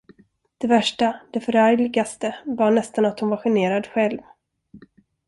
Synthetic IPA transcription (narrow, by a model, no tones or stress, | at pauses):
d̪̥ɛvæʂʈad̪̥ɛfœɾæɾlɪɡast̪əvaɳɛst̪anat̪hʊnvaɧɛneːɾad̪ɧɛlv